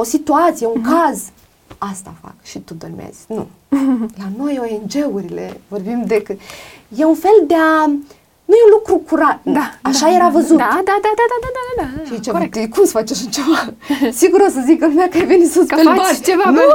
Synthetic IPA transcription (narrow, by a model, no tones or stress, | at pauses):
o̞sit̪uat̪sijeuŋkaz | ast̪a̰fa̰kʃit̪ud̪o̞rmḛz̥nṵ | lano̞joend͡ʒe̞uɾile̞̰vo̞rbimd̪e̞kɨjeunfe̞ld̪ea | nujeunlukɾukuɾat̪̚aaʃaje̞ɾavəzud̪ad̪ad̪ad̪ad̪ad̪ad̪ad̪ad̪aʃiit͡ʃavat̪ɨkumsə̥fat͡ʃeʃɨnt͡ʃeva | siɡuɾosəzikəlumakəaevinsuspelat͡ʃevan